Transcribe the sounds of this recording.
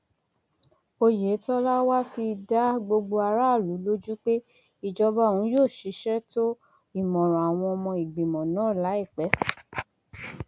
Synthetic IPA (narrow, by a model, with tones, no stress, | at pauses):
o˧je˨˦tɔ˦la˦wa˦fi˧da˦ɡ͡bo˧ɡ͡bo˧a˧ɾa˦˨lu˨˦lo˦d͡ʒu˦k͡pe˦ | i˨d͡ʒɔ˧ba˦˨ũ˨˦joː˦˨ʃi˨˧˦ʃɛ˦to˦ | i˦˨mɔ̃˨ɾ̃ɔ̃˨a˨w̃ɔ̃˧ɔ˧mɔ̃˧i˨ɡ͡bi˨mɔ̃˨nãː˨˦˨la˨˦i˦˨k͡pɛ˨˦